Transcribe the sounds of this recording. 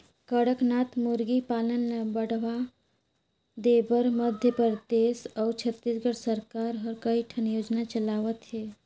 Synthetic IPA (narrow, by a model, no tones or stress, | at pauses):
kəɽəknat̪muɾɡipalənːebəɽ̤ʋa | d̪ebəɾməd̪ʱjəpəɾd̪esɔwt͡ʃʰət̪ːisɡəɽsəɾkaɾɦəɾkəiʈʰənjod͡ʒnat͡ʃəlaʋət̪ɦɛ